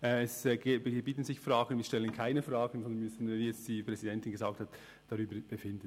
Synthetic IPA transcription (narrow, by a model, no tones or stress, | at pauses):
ʔɛɛsɡbiːtən̩zɪçfraːɡ̥ən̩viːʃtɛlənkʰaɪnəfʁaːɡən̩zɔndənmʏsn̩viːjɛt͡std̥iːpʁ̥ɛzidɛntɪnɡəzaːk̚that | d̥ɑɾyːbəb̥əfɪndən